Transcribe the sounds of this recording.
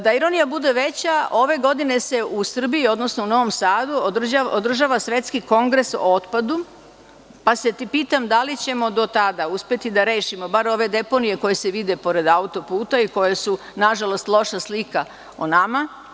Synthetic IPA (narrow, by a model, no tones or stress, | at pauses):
d̪aiɾo̞nijabud̪e̞ʋe̞t͡ɕao̞ʋe̞ɡo̞d̪ine̞se̞usr̩bijio̞d̪no̞snouno̞ʋo̞msaːd̪uod̪r̩aod̪r̩ʒaʋasʋe̞t̪skiko̞ŋɡɾe̞so̰ot̪pad̪u | pase̞t̪ipiːt̪amd̪alit͡ɕe̞mo̞d̪o̞t̪ad̪auspje̞t̪id̪aɾe̞ːʃimo̞baɾo̞ʋe̞d̪e̞po̞nije̞ko̞je̞se̞ʋid̪e̞po̞ɾe̞d̪aut̪o̞puːt̪aiko̞jesu | naʒalo̞st̪lˠo̞ʃaslika | onama